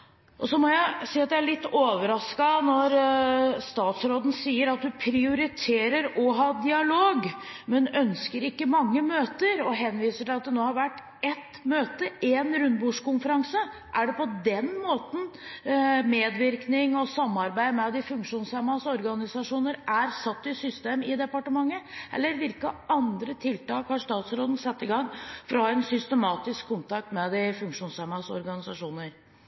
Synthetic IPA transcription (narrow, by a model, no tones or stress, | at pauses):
ʔɔsɔmɔjæɪsiːɑt̪jææɭɪt̪ːoːʋəɾɑskɑnɔɾst̪ɑːt̪sɾoːd̪n̩siːəɾɑt̪hʉpʰɾɪʊɾɪt̪ʰeːɾəɾɔɦɑːd̪ɪɑloːɡmɛnœnskəɾɪkːəmɑŋːəmøːt̪əɾɔɦɛnːʋiːsəʈɪɑt̪̚d̪ɛnoːhɑɾʋæʈː | ɛt̪møːt̪əʔeːnɾʉnd̪buːʂkʊnfəɾɑŋsə | ʔæɖɛpɔd̪ɛnmoːt̪n̩ | meːd̪ʋɪɾknɪŋɔsɑmːɑɾbæɪmɛd̪ɪfʉŋkʂuːnshæmɑsɔɾɡɑnɪsɑʂuːnəɾʔæɾsɑt̪ːɪsʏst̪eːmɪd̪ɛpɑʈəmɑŋːəʔɛ̰lːəɾʋɪlkəɑnd̪ɾət̪ʰɪlt̪ɑːkhɑʂt̪ɑːt̪sɾoːd̪n̩sɛt̪ːɪɡɑŋːfɔɾɔhɑːɛnsʏst̪əmɑːt̪ɪskʰːʊnt̪ɑk̚t̪mɛd̪ɪfʉŋkʂuːnsæmɑsɔ̰ɾɡɑnɪsɑʂuːnəɾ